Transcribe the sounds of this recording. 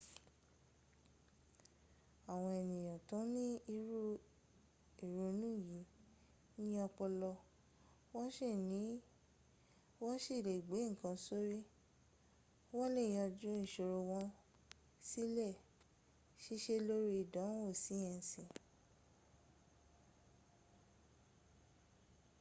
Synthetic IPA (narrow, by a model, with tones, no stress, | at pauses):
a˨w̃ɔ̃˧ɛ˨nĩ˨j̃ã˨tũ˨˦nĩ˦i˧ɾu˦ | i˨ɾo˨˧nũ˦˨ji˨˦ | nĩ˦jɔ˧k͡pɔ˧lɔ˧ | wɔ˦ʃe˦˨nĩ˨˦ | wɔ˦ʃi˦˨le˨i˨ɡ͡be˨˦ŋ̩˨kã˧˦so˦ɾi˦ | wɔ˦le˦˨j̃ã˧d͡ʒũ˦nĩ˨ʃo˧ɾo˧wɔ̃˦ | si˦lɛ˦˨ | ʃe˦ʃe˧˦lo˦ɾi˧i˨dã˨˦wo˦˨si˨˦jɛ̃˧n˨sĩ˨